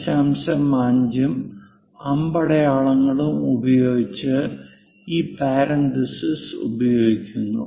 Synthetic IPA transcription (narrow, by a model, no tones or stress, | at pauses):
ɕaːmɕɐmːaːɲd͡ʑum | ɐmbɐɽɐjaːɭɐŋːɐɭumubɐjo̞ːɡit͡ɕːɨ | iːpaːɾɐnd̪isisṵbɐjo̞ːɡikʲːunːṵ